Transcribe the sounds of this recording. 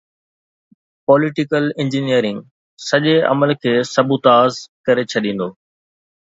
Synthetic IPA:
pɔːlɪʈɪkəlɪ̃ɲd͡ʑinijəɾɪ̃ŋɡ | sɐʄeɐ̰məlkʰeːsɐbut̪aːzkɐɾet͡ɕʰɐɗĩːn̆d̪oː

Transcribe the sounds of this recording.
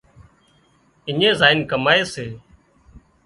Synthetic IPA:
ɪɲẽːzaːɪnkəmaːeːseː

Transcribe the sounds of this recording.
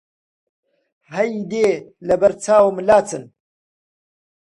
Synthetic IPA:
hɐjd̪eːlɐbɐɾt͡sʰaːwmlaːt͡sɨn

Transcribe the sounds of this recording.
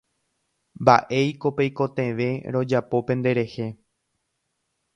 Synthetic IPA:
mba̰ʔe̞jko̞pejko̞t̪ẽ̞ʋe̞ɾõ̞d͡ʒapo̞pẽ̞nd̪e̞ɾe̞he̞

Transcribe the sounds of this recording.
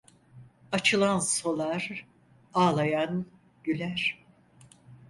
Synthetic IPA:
at͡ʃʰɯlˠanso̞lˠaɾ | aːlˠajan | ɟylʲæɾ̥

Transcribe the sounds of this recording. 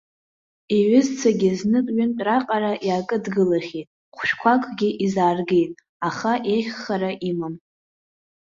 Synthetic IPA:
eɥɪzt͡sʰaɡʲɪznɨkʼɥʏntʼraqʼaɾaʔjaːkʼɨdɡɨlaχʲejtʼ | χʷʰʃᶣkʷʰakʷʰʼɡʲɪʔizaːrɡejtʼ | aχaʔeχːaɾaʔimam

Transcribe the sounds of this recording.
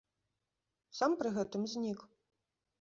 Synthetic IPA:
sampɾɨɣɛt̪ɨmzʲnʲik

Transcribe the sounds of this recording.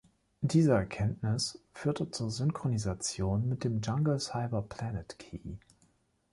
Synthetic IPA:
d̥iːzəɛɐkʰɛntnɪsfyːɐtət͡suːɐzʏnkʁ̥onizat͡sjoːnmɪt̚d̥eːmd͡ʒaŋɡl̩saɪbɐpʰl̥anətkʰḭː

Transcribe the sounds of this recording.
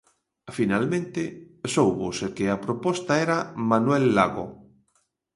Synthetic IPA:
finalmẽnt̪ɪsowβosekeapɾopɔst̪aɛɾamanwɛlːa̰ɣo̰

